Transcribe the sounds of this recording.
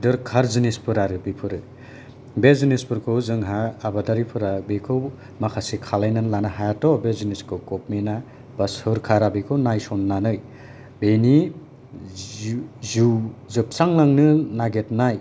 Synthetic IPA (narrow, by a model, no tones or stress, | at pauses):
dɯɾkʰaɾzinispʰɯɾaɾɯbipʰɯɾɯ | bezinispʰɯɾkʰɯwzɯŋɦaːbadaɾipʰɯɾabekʰɯw | makʰasikʰalajnanlanaɦajatɔbeziniskʰɯwkopmena | b̥ashɯɾkʰaɾabekʰɯwnajsɔnːanɯj | beni | zuzɯp̚t͡ʃaŋlaŋnɯnaɡetnaj